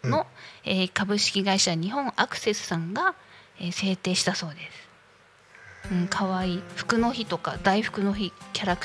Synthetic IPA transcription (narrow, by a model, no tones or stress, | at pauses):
no̞eːkabɯ̟ɕi̥kʲiɡaiɕaɲ̟iɦõ̞ɴakɯ̟̥se̞sɨ̥sãŋɡaeːse̞ːt̪e̞ːɕi̥t̪aso̞ːd̪e̞sɨ̥ | ɯ̟̃ɴkʰaβaiːɸɯ̟̥kɯ̟no̞çit̪o̞kad̪aiɸɯ̥kɯ̟no̞çikʲaɾak